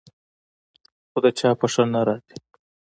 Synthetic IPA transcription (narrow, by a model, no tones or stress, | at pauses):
xod̪ət͡ʃɑpəʂənaɾɑzi̥